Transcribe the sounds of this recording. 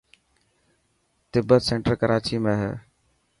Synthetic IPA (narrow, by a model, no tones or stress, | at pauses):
t̪ɪbːət̪sẽɳʈəɾkəɾaːt͡ɕiːmẽːɦɛː